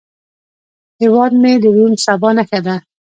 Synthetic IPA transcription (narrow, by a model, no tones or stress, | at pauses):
hewɑd̪med̪əwumsabɑnakad̪a